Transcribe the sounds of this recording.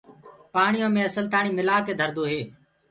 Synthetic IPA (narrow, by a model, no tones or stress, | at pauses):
paːɳɪjõːmẽːəsəlt̪aːɳiːmɪlaːked̪ʱəɾd̪oːɦeː